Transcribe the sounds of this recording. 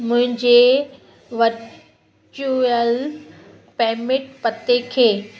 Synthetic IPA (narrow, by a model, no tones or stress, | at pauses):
mʊ̃ɦɪ̃ɲd͡ʑe | ʋəɾ | t͡ʃuəl | pɛːmɪʈ̚pət̪ːekʰeː